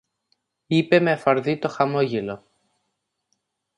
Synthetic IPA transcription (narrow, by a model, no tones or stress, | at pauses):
ipe̞meɐfɐɾðit̪o̞xɐmo̞ʝelo̞